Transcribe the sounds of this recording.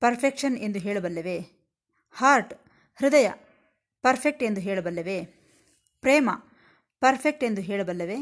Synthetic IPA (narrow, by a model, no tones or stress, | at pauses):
pɐɾpʰekʂɐne̞nd̪uɦeːɭɐbɐlːɐʋe | haːɾʈ | hɾud̪ɐjɐ̰ | pɐɾpʰek̚ʈe̞nd̪uɦeːɭɐbɐlːɐʋe | pɾeːmɐ | pɐɾpʰek̚ʈe̞nd̪uɦeːɭɐbɐlːɐʋeː